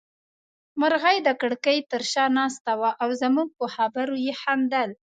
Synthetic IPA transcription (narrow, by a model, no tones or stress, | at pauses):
maɾɣajd̪əkəɽkəjt̪əɾʃɑnɑst̪awaʔawzəmuɡ̚pəxabaɾojehamd̪al